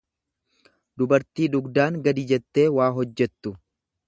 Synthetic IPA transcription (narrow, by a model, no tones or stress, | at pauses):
d̪ʊbɐɾt̪iːd̪ʊɡd̪aːŋɡɐd̪ɪd͡ʒɛt̪ːe̞ːwaːɦɔd͡ʒːɛt̪ːʊ